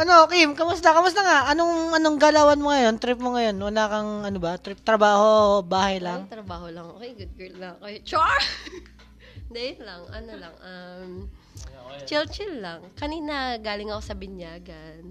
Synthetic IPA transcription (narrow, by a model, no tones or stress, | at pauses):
ʔɐnoʔkɪmkɐmʊst̪ɐkɐmʊsɐŋaʔʔɐnoŋʔɐnoŋɡalawɐnmoŋɐjo̞nt̪ɾɪp̚moŋɐjo̞nwɐlaːkɐŋʔɐnobɐt̪ɾɪp̚t̪ɾɐbaːho̞baːhɐjlɐŋt̪ɾɐbaːholɐŋʔokejɡʊd̪̚ɡɛllɐŋɐkot͡ʃaɹ | d̪ɐjɛnlɐŋʔɐ̰nolɐŋʔɐm | t͡ʃɛlt͡ʃɪllɐŋkɐniːnɐɡaːlɪŋɐkosɐbɪnjaːɡɐn